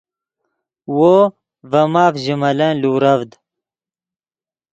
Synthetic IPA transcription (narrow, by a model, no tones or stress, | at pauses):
woː | vɐmaːvʒimɐlɐnluːɾɐvd̪